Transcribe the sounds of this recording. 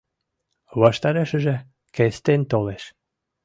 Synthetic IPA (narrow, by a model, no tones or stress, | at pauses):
βɑʃt̪ɑɾeʃə̆ʒĕ | kest̪ent̪oleʃ